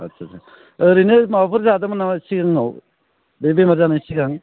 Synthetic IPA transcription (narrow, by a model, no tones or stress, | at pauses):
a̰sʰasa | ɾinɯmapʰɯɾzadamanasiɡaŋaw | bebemaɾzanasiɡaŋ